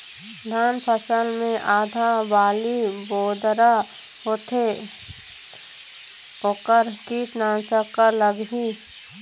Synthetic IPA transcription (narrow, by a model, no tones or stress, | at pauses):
d̪ʱaːnpʰəsəlmẽʔaːd̪ʱabaːliboːd̪ɾa | ɦot̪ʰe | oːkəɾkisnaːnsəkːələɡɦi